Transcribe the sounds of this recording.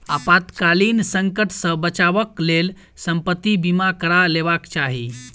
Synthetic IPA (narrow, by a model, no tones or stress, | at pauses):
apat̪kalinsə̃ŋkəʈsə̃bət͡ʃabəklel | səmpət̪ːibimakəɾalebakt͡ʃaɦi